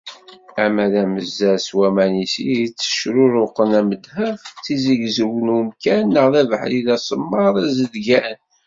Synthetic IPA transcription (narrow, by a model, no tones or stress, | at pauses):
æmæðæməzːæswæmænisit͡sːə̥ʃɾʊɾʊqːənæməd̪həft͡sizəʝzəwənumkænːəʁðævəħðiðæsˤəmːɑðˤæzəd̪ɡæn